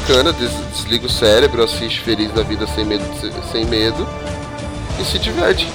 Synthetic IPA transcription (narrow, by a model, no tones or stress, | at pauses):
kɐ̃nɐd̪ezd͡ʒ̪ezliɡʊsɛɾebɾʊasist͡ʃɪ̥felizd̪ɐvid̪ɐsẽj̃med̪ʊs | sẽj̃med̪ʊ | ɪsɪd͡ʒivɛɾt͡ʃɪ̥